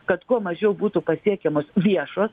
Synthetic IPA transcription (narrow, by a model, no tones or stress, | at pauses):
kɐt̪kuɔmɐʒʲɛʊbuːt̪ʊpɐsʲiɛkʲɛmoːsʋʲiɛʃoːs